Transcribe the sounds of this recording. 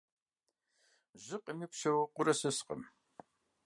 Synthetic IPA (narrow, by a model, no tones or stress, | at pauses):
ʑɪqəmiːpʃɐwɐqʷʊɾɐsɨsqə̰m